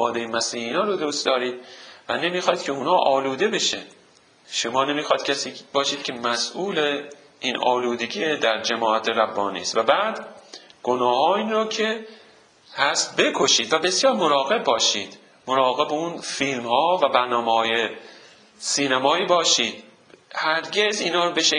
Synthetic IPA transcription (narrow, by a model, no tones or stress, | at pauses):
ɒːd̪ejemæsiːhiːnɒːɾod̪uːst̪d̪ɒːɾiːd̪̥vænemiːxɒːid̪̥̚cʰʲeunhɒːʔɒːluːd̪e̞be̞ʃæn | ʃomɒːnemiːxɒid̪cʰæsiːbɒːʃiːd̪̚kʰe̞mæsʔuːle | ʔiːnʔɒːluːd̪e̞ɟiːed̪æɾd͡ʒæmɒːʔæt̪ʰeɾæbːɒːnḭːst̪væbæːd̪ɡ̥onɒːhɒːinɾoːcʰe | hæst̪be̞kʰo̞ʃiːd̪væbesjɒːɾmoɾɒːɣe̞b̚ːɒːʃiːd̪̥ | moɾɒːɣebeunfiːlmhɒːvæbæɾnɒːmehɒːje | siːnæmɒːiːbɒːʃiːd̪̥̚ | hæɾɟʲe̞ziːnhɒːɾobeʃe